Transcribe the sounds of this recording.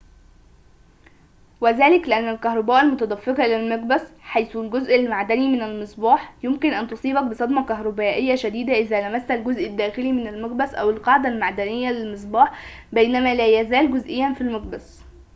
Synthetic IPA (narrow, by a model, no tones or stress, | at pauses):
wæzæːlɪklɪʔænːælkæhɾˤɑbæːʔælmʊt̪æd̪ˤæfːeqɑʔlælmæqbæsħajθulɡozʔælmaʕd̪ænimɪnælmɨsˤbɑːħjʊmkɪnʔænt̪osˤiːbɑk̚besˤɑd̪mɑkæɦɾˤɑbæːʔejːæʃæd̪iːd̪æʔɪzðæːlæmæsːælɡozʔɪd̪ːæːxɪlimɪnælmɑqbæsʔæ̰wɪlqɑʕd̪ælmaʕd̪ænɪjːælɪlmɨs̬ˤbɑːħbæjnæmæːlæjæzæːlɡʊzʔɪjːænfilmɑq̚bæs